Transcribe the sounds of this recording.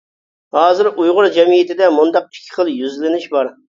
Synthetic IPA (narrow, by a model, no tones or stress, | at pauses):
hɑːzɪɾujʁʊɾd͡ʒɛmijɪt̪ɪd̪ɛmund̪ɑq̚i̥kʲʰːɪ̥χəlˠjyzlɪnɪʃbɑɾ